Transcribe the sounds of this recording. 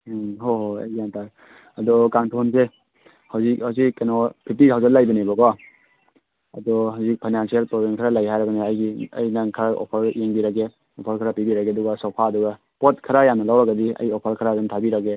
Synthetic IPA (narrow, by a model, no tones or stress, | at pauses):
ɦoɦoa̰jantʰaɾ | ɐdɔkaŋtʰonse | hawzik̚hawzikːanɔpʰip̚tihawzalajbɐnebɔɡɔ | ɐdɔhawzik̚pʰajnansielpɾɔbenkʰaɾalajɦajɾɐbɐniajɡiɐ̰jnaŋkʰɾaʔɔ̰pʰɐɾjeŋbiɾaɡe | ɔpʰɐɾkʰaɾapibiɾaɡeaduɡasɔpʰaːduɡa | pɔt̚kʰɐɾajamnɐlawɾaɡadiɐ̰jɔpʰaɾkʰaɾazantʰabiɾaɡe